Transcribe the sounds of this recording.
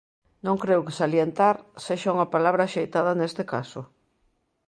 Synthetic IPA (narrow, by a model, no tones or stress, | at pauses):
nõŋkɾewkɪ̥saljent̪aɾseʃauŋɐpalaβ̞ɾaʃejt̪aðɐnest̪ekasʊ